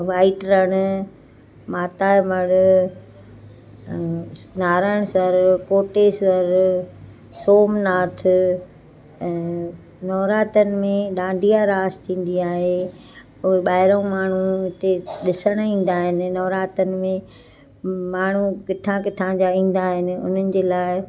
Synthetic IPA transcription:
ʋaːɪʈɾəɽ̃ʊ̆ | maːt̪aːmɐɽʊ | naːɾaːɪɽ̃sɐɾkoːʈesəɾ | soːmnaːt̪ʰʊ | nɔːɾaːt̪ənɪ̆mẽɗãːɳɖʱijaɾaːst̪ʰĩːn̆d̪iaːɦe | ʊɦeɓaːɦɪɾəũmaːɳ̤uɪt̪eɗɪsəɽ̃ĩːn̆d̪aːɦɪnɪ̆nɔːɾaːt̪ənɪ̆mẽ | maːɳ̤ukɪt̪ʰãkɪt̪ʰãd͡ʑaĩːn̆d̪aːɦɪnɪ̆ʊ̰n̤ənɪ̆d͡ʑeːlaːɪ

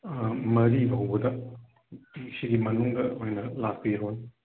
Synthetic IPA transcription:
mɐɾibʱɐwbɐd̪ɐ | siɡimɐnuŋɡɐojnɐlak̚pijɐɦon

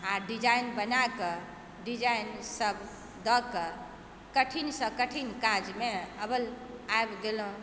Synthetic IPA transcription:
aɖid͡ʒajnbənakə | ɖid͡ʒainsəbʱ | d̪əkə | kəʈʰinsə̃kəʈʰinkad͡ʒmeəbəl | aebɡelɦũ

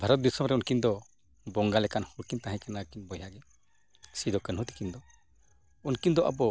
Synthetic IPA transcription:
bʱaɾɔt̪̚b̪isɔmɾɛunkind̪ɔ | bɔŋɡalɛkanhuɾkint̪aɦɛ̃kanakinbɔjaɡɛ | sid̪ɔkənɦut̪i̥kind̪ɔ | unkind̪ɔʔa̰bɔ

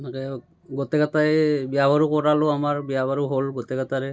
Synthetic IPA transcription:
makɛ | ɡot̪ɛkatajbjabaɹukɔɹaloamaɹbiabʱaɹuɦolɡot̪ɛɡataɹɛ

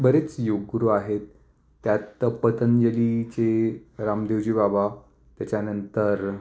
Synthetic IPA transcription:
bəɾet͡sjoɡɾuaɦet̪ː | jat̪pət̪ənd͡ʑelit͡ɕeɾamd̪eʋd͡ʑiːbaba | t̪jat͡ɕjanənt̪əɾ

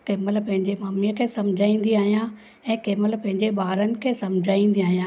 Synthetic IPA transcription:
keːməlpɐ̃ɦɪ̃ɲd͡ʑemaːmijəkʰeːsɐ̃md͡ʑʱaːĩːn̆d̪iaːɦijã | ɛ̃ːkeːməlpɐ̃ɦɪ̃ɲd͡ʑeɓaːɾənɪ̆kʰeːsɐmd͡ʑʱaːĩːn̆d̪iaːɦijãː

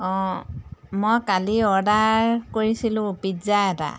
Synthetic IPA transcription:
ɔ̃ | mojkaliɔɹdaɹkoɹisilʊ̃pizaɛta̰

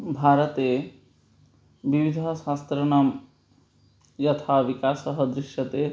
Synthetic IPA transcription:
bʱaːɾɐt̪e | ʋiʋid̪ʱɐʃaːst̪ɾɐnɐm | jɐt̪ʰaːʋikaːsɐɦɐd̪ɾiʃjɐt̪eː

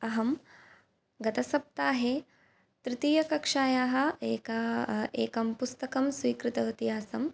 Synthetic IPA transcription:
ɐɦɐm | ɡɐt̪ɐsɐp̚t̪aːɦe | t̪ɾɪt̪iːjɐkɐkʂaːjaːɦɐ̆eːkɐeːkɐmpust̪ɐkɐmsʋiːkɾɪt̪ɐʋit̪iɦaːsɐm

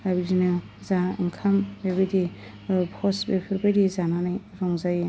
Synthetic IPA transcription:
abidinɯ | zaɯŋkʰambeβajdi | bʰɔsbepʰɯɾbajdizananajɾɔŋzaje

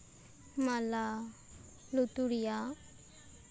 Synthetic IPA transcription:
mala | lut̪uɾija

